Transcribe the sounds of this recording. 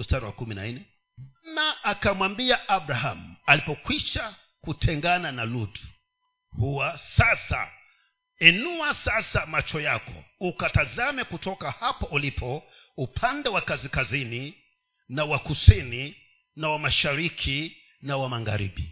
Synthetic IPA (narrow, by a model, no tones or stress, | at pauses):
ustaɾiwakuminainɛ | mnaːkamwambiaʔabɾaɦamualipɔkwiʃa | kutʰɛŋɡananalud | huwasasa̰ | ɛnuasasamat͡ʃɔjakɔ̰ukatazamɛkutɔkahapaʔulipʰɔupʰandɛwakazikazini | nawakusini | nawamaʃaɾikʰi | nawamaŋɡa̰ɾḭɓḭ